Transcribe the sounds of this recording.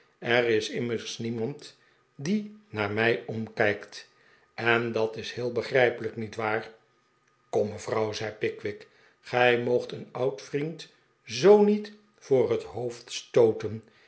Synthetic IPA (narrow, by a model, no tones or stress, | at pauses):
ɛrɪsɪməɹsnimɑnt | dinaːɹmɛjɔmkɛjkt | ʔɛndɑtɪsɦhɪːlˠbəχrɛjpələknitʋaːɹ | kɔmːəvrʌwzɛjpɪkʋɪk | χɛjmowχtənɑwtfrint | zownit | fʊːrɦətɦowftstowtən